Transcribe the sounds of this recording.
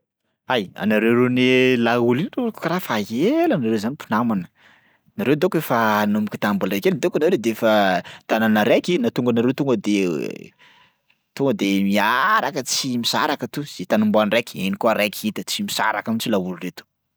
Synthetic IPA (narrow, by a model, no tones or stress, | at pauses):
aja̰naɾewɾenelaulinreku̥kaɾafaɦelanaɾewzanipunamanə̥ | naɾewd̪ekefanumiki̥t̪ambulɾekeld̪ekanawɾed̪eefət̪ananaɾekinat̪uŋɡanaɾewt̪uŋɡəd̪e | t̪uŋɡəd̪emiaɾakət͡simisa̰ɾakət̪uz̥et̪anumboanirekʲenikuaɾekʲiit̪ət͡simisa̰ɾakamit͡ʃilauluret̪u̥